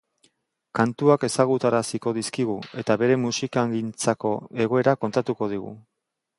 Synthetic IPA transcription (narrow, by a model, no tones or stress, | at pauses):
kant̪uake̞saɣ̞ut̪aɾasiko̞ðiskiɣ̞ue̞t̪aβe̞ɾe̞musikaŋɡint͡sako̞̰e̞ɣo̞e̞ɾako̞nt̪at̪uko̞ð̞iɣ̞ṵ